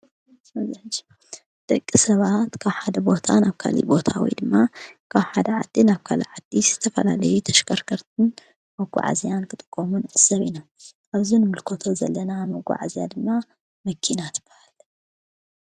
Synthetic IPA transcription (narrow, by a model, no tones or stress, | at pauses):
mɐzd͡ʒi | d̪̥ɐkʼːisɐβat̪kʰaβħad̪ɐbo̞t̪ʰanaβkʰa̰lḭbo̞t̪ʰa̰wɔ̰jd̪ɨmːakʰaβħad̪ɐʕad̪ːinaβkʰalḭʕad̪iz̥ɨt̪ʰɐfɐlalɐjut̪ʰɐ̥ʃkʰɐɾkʰɐɾt̪̚ʰɨn | mɐɡʷa̰ʕa̰zijankʰɨt̪ʼɨ̥kʼːomunʔɨsɐβina | ʔaβzinɨmɨlkʰot̪ʰo̞zɐlːɐnamɐɡʷa̰ʕa̰zijad̪ɨmːa | mɐkʰinat̪ʰɨb̥ːahal